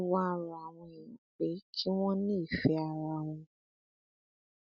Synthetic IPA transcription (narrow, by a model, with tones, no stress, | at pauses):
wa˦˨ɾa˨a˨w̃ɔ̃˧e˨jĩ˨˦k͡pe˨˦kʰi˦w̃ɔ̃˦nĩ˦˨fɛ˧˦a˨ɾa˧˦˨w̃ɔ̃˧